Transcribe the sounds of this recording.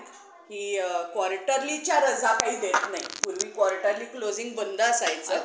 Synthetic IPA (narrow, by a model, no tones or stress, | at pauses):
hiːkwɔɾʈəɾlit͡ɕjaɾəd͡zʱakaɦiːd̪et̪naipuɾʋiːkʋɔɾʈəɾliːklod͡ziŋɡbənd̪əːsajt͡sə